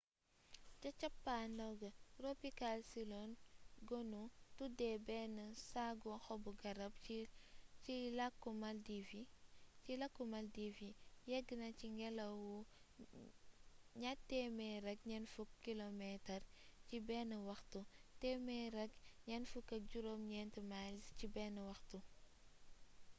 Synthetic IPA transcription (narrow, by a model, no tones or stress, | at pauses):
cɐt͡ʃɐpːandɐwɡɐropikalsilɔnɡɔnutudɛbɛnɐsaɡɔxɔbuɡɐɾɐb | cilɐkːumɐldivicilɐkːumɐldivijɛɡːənɐciŋɡɛlɐwu | ɲatːɛmɛɾɛɡ̚ɲɛnfukːilomɛtɐrcibɛnɐwɐxtutɛmɛɾɐɡɲɛnfukːɐɟuɾoːmɲɛntəmalscibɛːnɐwɐxtu